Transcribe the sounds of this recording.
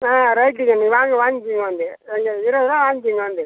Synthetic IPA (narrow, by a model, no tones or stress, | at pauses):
aːɾɐɪʈ̬ːɪŋɡɐniːʋaːŋɡɯʋaːŋɡɪkːiŋɡɐʋɐnd̪ɯ | ɛŋɡɐɪɾɐʋðãːʋaːŋɡɪkːiŋɡɐʋɐnd̪ɯ